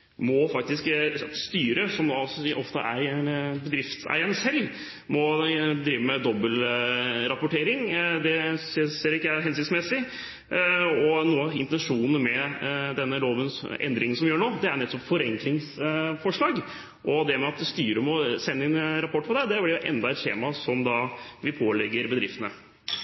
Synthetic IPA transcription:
mɔfɑk̚t̪ɪskst̪yːɾəsɔmd̪ɑʔɔft̪ə̰ʔæɾbəd̪ɾɪft̪sæ̰ɪənsɛlː | mɔd̪ɾiːʋəmɛd̪ɔbəlɾɑpʊʈeːɾɪŋd̪ɛsseːɾɪkːəæɦɛns̬ɪt̪smɛsɪ | ɔnuːɑɪnt̪ɛnʂuːnənmɛd̪ɛnːəloːʋənsɛ̰nd̪ɾɪŋənsɔmʋɪjøːɾɳoːd̪ɛæɾɳɛt̪ːɔpfɔɾɛŋklɪŋsfɔʂɭɑːɡ | ʔɔd̪ɛmɛɑt̪̚d̪ɛst̪yːɾəmɔsɛnːəɪnɾɑpʰɔʈːpʰɔd̪ɛd̪ɛblɪɾjʊʔɛ̰nd̪ɑɛt̪t̪ʰḛːmɑsɔmd̪ɑʋɪpʰoːlɛɡəɾbəd̪ɾɪft̪ənə

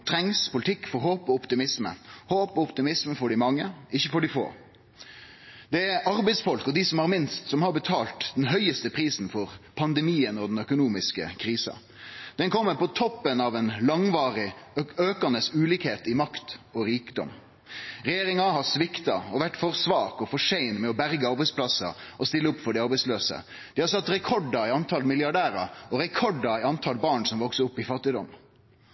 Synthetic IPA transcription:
t̪ʰɾɛŋspʊlɪt̪ʰɪkːfɔɾɦoːpɔɔpt̪ɪmɪsmə̰hoːpɔɔpt̪ɪmɪsməfɔɖɪmɑŋːəɪçːəfɔɖɪfo̰ː | d̪̥ɛæɾɑɾbɛɪsfɔlkɔd̪ɪsɔmhɑɾmɪnst̪sɔmhɑɾbət̪ʰɑːlt̪d̪ɛnɦœʏəst̪əpʰɾiːsnfɔɾpʰɑnd̪ɛmiːənɔd̪ɛnœkʊnuːmɪskə̰kʰɾiːsɑ̰ | d̪̥ɛnkʰɔmːəpɔt̪ʰɔpːənɑʋɛnlɑŋʋɑːɾɪøːkɑnəsʉːliːkheːt̪ɪmɑkt̪ɔɾiːkd̪ɔ̰m | ɾɛjeːɾɪŋɑɦɑsʋɪkt̪ɑ̰ɔʋæʈːfɔɾsʋɑːkɔfɔʂeɪnmɛɔbæɾɡəɑɾbɛɪspʰlɑsɑ̰ʔɔst̪ɪlːəʊpːfɔɖɛɑɾbɛɪsløːsə̰ | d̪̥ɪhɑsɑt̪ːɾɛkʰɔɖɑɪɑnt̪ʰɑlmɪljɑɖæːɾɑ̰ɔɾɛkʰɔɖɑɪɑnt̪ʰɑlbɑːɳsɔmʋɔksəʊpːɪfɑt̪ːɪd̪ɔm

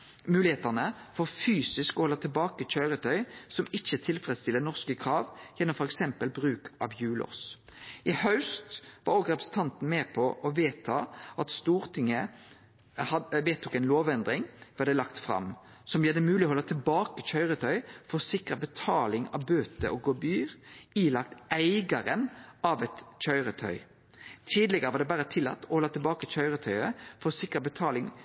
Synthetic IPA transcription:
mʉːlɪeːt̪ənə | fɔʁfyːsɪskɔhɔlːət̪ʰɪlbɑːkəc͡çœʏʁət̪ʰœʏsɔmɪçət̪ʰɪlfɾɛd̪st̪ɪlːənɔʁskəkʰɾɑːʋjɛnːɔmfɔʁɛksɛmpəlbʁʉːkʰʔɑ̰ʋjʉːlɔ̰sʔɪhɑʉst̪ʋɑ̰ɾɔɡʁɛpɾəsn̩t̪ʰɑnt̪n̩meːpʰɔʔɔʋeːt̪ʰɑʔɑt̪st̪uːʁt̪ʰɪŋːə | ɑʋeːt̪ʰʊkɛɪnloːʋɛnd̪ʁɪŋʋɛʁd̪ɛlɑkt̪fʁɑ̰m | sɔmjæːd̪ɛmʉːlɪɔhɔlːət̪ʰɪlbɑːkəçœʏʁət̪ʰœʏfɔʁsɪkɾəbət̪ʰɑːlɪŋɑ̰ʋbøːt̪ə̰ʔɔɡobyːʁiːlɑk̚t̪æɪɡəɾənʔɑʋɛt̪c͡çœʏʁət̪ʰœ̰ʏ | t̪ʰiːd̪lɪɡəʁəʋɑːd̪ɛbæʁət̪ʰɪlːɑ̰t̪ːɔhɔlːət̪ʰɪlbɑːkəçœʏʁət̪ʰœʏəfɔsɪkʁəbət̪ʰɑːlɪŋ

